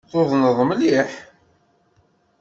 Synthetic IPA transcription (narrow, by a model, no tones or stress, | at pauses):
θoðˤnəðˤmliħ